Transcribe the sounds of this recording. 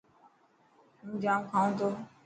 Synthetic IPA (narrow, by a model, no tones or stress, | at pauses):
n̩d͡ʒãŋ̩kãŋ̩t̬o